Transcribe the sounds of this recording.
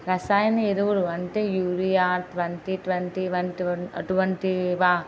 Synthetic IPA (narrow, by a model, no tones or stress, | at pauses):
ɾɐsaːjɐnɐeɾuʋuɾuɐɳʈeːjuːɾijaːʈʋɐɳʈiʈʋɐɳʈiʋɐnʈiɐɐ̰ʈuʋɐɳʈiʋaː